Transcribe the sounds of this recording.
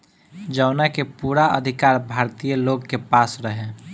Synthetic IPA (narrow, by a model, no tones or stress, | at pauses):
d͡ʒəʊnakepuːɾaə̰d̪ʱikaːɾbʱaːɾt̪ijəloɡkepasɾəɦẽ